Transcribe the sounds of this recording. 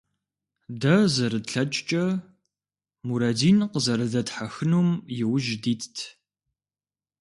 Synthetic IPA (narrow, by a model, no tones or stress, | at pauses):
dɐzɐɾɨtɬɐt͡ʃʼt͡ʃʼɐ | muɾɐdiːnqəzɐɾɨzɐtħaxɨnuːmjɪwʒdiːtʰtʰ